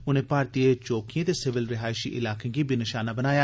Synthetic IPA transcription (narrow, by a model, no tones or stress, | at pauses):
ʊnẽːpaːɾt̪iːet͡ʃoːkijãːt̪eːsɪʋɪlɾɪɦaːɪʃḭʔɪ̰laːkẽɡiːbinɪʃaːnabənaːjaː